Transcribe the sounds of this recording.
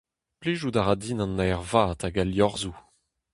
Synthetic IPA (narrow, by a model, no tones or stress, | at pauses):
pliʒudaʁadinɑ̃nːajʁvaːtaɡaljɔʁzu